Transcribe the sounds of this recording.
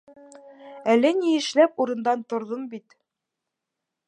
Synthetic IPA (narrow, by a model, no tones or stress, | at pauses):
ælɘniɘ̆ʃlæpuɾɤ̆nd̪ɑnt̪ŏɾðombit̪